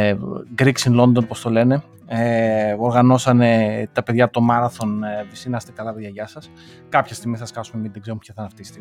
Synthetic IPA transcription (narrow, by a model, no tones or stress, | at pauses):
ɡɾiksinlo̞nd̪o̞npo̞st̪o̞le̞ne̞ | eo̞ɾɣɐno̞sɐne̞t̪ɐpe̞ðʝɐt̪o̞mɐɾɐθo̞nvisinɐst̪ekɐlɐpeðʝɐʝɐsɐs | kɐpçest̪iɣmisɐskɐsumeminðeɡzeumpçɐθɐnɐft̪isi̥t̪e